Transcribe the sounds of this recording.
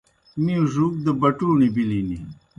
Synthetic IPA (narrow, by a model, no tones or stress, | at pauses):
miʐuk̚d̪əbɐʈuːnibilini